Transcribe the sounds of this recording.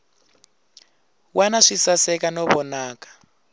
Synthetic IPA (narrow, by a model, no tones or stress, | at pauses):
wanaʂisasɛkanɔβɔnaːkḁ